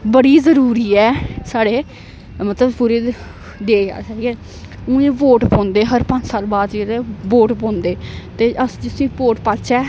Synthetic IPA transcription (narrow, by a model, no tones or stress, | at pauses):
bəɽiːzəɾuːɾiːɛːsaːɽeː | mət̪ləbpuːɾeː | d̪eːa̰ːsɛːɡɛː | ũːẽːpoːʈpõːnd̪eːɦəɾpə̃ɲd͡ʒsaːlbaːd̪eɾeːʋoːʈpõːnd̪eːt̪eːʔəsd͡ʒɪsĩːpoːʈpaːt͡ʃʰɛː